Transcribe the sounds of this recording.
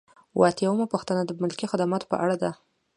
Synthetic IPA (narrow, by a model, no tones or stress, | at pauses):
wʔɑt̪jawəmapuxt̪anad̪əmʊlkixad̪amɑt̪o̥pə̰ʔaɽad̪a